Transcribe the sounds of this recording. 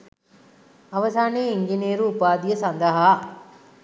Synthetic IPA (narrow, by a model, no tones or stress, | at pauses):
ɐʋɐsaːneːiɲd͡ʒineːɾuːpaːd̪ijɐsɐnd̪ɐɦa